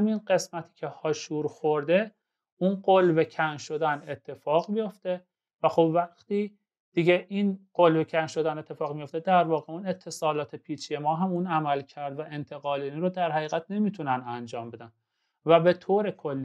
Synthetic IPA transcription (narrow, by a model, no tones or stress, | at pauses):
minɢe̞smæt̪ʰi̥ːcʰe̞hɒːʃuːɾxo̞ɾd̪e̞ | unɢolvecʰænʃo̞d̪æne̞t̪ʰːe̞fɒːɣmijo̞ft̪e̞ | væxo̞bvæχt̪iː | d̪̥iɟe̞ʔinɢ̥olvecʰænʃo̞d̪æne̞t̪ʰːe̞fɒːɣmijoft̪ed̪æɾvɒːɣeune̞t̪ʰːe̞sɒːlɒːt̪ʰe̞pʰiːt͡ʃʰijemɒːɦæmunæmælcʰæɾd̪væʔe̞nt̪ʰe̞ɣɒːliːniɾod̪æɾhæɣiːɣæt̪̚ne̞miːt̪ʰunænænd͡ʒɒːmbe̞d̪æn | væbe̞t̪ʰoːɾe̞kʰolːi